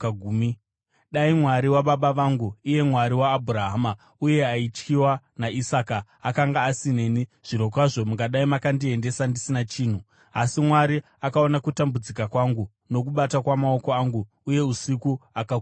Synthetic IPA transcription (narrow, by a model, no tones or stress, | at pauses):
ɡʱuːmi | ɗaimwaɾiwaɓaɓaʋaŋɡuije̞mwaɾiwaːbʱuraɦaːma | uje̞ait͡ʃkiwa | naisakaː | kaŋɡaːsine̞ːniʐ̥ino̞kwaʐo̞muŋɡaɗaimakandie̞nde̞sandisinat͡ʃiːn̤u | asimwaɾi | akao̞nakutambud͡zikakwaŋɡu | no̞kuɓatakwamao̞ko̞aŋɡuːje̞usikuaka